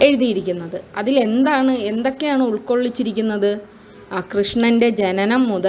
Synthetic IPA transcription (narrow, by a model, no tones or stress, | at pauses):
eɻuðijiɾikʲːunːɐðɨɐðile̞nd̪aːɳɨe̞nd̪o̞kːe̞jaːɳɨuɭko̞ɭːit͡ɕːiɾikʲːunːɐðɨ | krɨʂɳɐnde̞d͡ʑe̞nɐnɐmːuðɐ